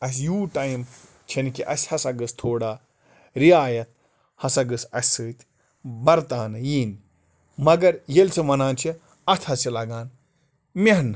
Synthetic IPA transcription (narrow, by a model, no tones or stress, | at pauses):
ɐs̬juːʈaːjm | t͡ʃʰɐnkiʔɐsʲhɐsɐɡɨst̪ʰoːɽaː | ɾiaːjɐt̪̚ | hɐsɐɡɨsɐsɨːt̪ʲ | bɐɾt̪aːnɨjiːn | mɐɡɐɾjelʲt͡sʰɨmɐnaːnt͡ʃʰi | ɐt̪ʰɐsilɐɡaːn | meɦɐn